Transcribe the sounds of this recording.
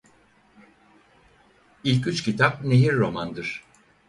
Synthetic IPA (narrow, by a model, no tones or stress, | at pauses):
ilʲcyt͡ʃcit̪ʰap̚ne̞ɦiɾːo̞mand̪ɯɾ̥